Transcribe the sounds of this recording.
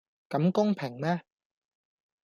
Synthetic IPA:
ka˨˦mko˥˩ŋpʰɛ˨˩ŋmɛ˥˩

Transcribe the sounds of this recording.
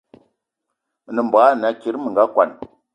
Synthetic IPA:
nə˨mba˨˦˨na˨ki˨˦ɾmə˨ŋ˨ɡa˦kʷa˨n

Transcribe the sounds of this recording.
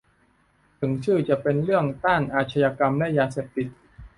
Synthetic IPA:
t̪ʰɯ˩˦ŋt͡ɕʰɯː˥˩t͡ɕa˨˩pe˧nɾɯ˥˩əŋt̪a˥˩nʔaː˧˩t̪̚t͡ɕʰa˧jaː˧ka˧mlɛ˦˥jaː˧seː˨˩p̚t̪i˨˩t̪̚

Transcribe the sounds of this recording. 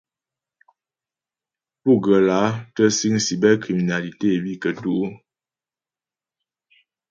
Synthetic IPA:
pu˦˨ɡə˨la˨˦tə˦si˦ŋ˦si˨bɛ˦ki˨mi˨na˨li˨te˦˨bi˦˨kə˨tu˦

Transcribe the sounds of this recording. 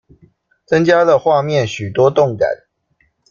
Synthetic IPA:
t͡sə˦ŋt͡ɕja˦˥lə˨xwa˥˨mjɛ˥˨nɕy˨˩t̪wɔ˦t̪ʊ˥˨ŋka̰˨˩˦n

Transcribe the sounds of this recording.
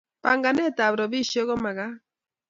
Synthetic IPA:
pa˨ŋɡa˨nɛ˦ta˨βɾɔ˨βi˦ʃɔ˦ɣɔ˦ma˨ɣa˦

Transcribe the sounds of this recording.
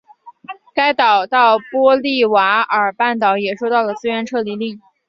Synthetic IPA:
ka˥ɪt̪ɑ˨˩ʊt̪ɑ˥˩ʊpwɔ˥li˥˩wa˧˥ə˞˨˩pa˥˩nt̪ɑ˨˩˦ʊjɛ˨˩ʂwo˥˧ʊt̪ɑ˥˩ʊlə˩t͡sɹ̩˥ɥɛ˧˥nʈ͡ʂʰɤ˥˧li˥˧li˥˩ŋ

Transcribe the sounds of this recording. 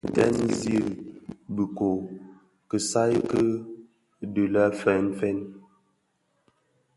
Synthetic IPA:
tɛ̰˦nzi˦˨ɾbə˨ko˨ | kə˨sa˦jkə˦ | də˨la˦fɛ˦nfɛ˦n

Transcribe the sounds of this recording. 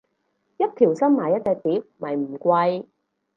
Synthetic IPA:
jɐ˥t̚t̪ʰiː˨˩wsɐ˥mmaː˨˩jɐ˥t̚t͡sɛː˧k̚t̪iː˨˥p̚mɐ˨jm̩˨˩kʷɐ˧j

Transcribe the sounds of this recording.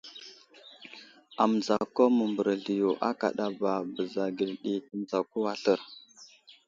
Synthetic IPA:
a˨mə˨za˨ko˦mə˨mbə˨ɾə˨ɮi˨jo˨ʔa˦ka̰˨ɗa˦ba˨bə˨za˨ɡi˨lɗi˨tə˨m˦za˨ku˦wa˨ɬə˦ɾ

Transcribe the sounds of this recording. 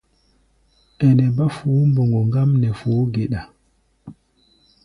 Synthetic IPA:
ʔɛ˨nɛ˨ba˦fuː˦mbɔ˨ŋɡɔ˨ŋɡa˦mnɛ˨foː˨˦ɡɛ˨ɗa˨

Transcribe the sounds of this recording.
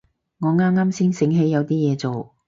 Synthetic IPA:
ŋɔː˨˧ŋaː˥mŋaː˥msiː˥nsɪ˨˥ŋɦe˨˥jɐ˨˧wt̪iː˥jɛː˨˧t͡so˨w

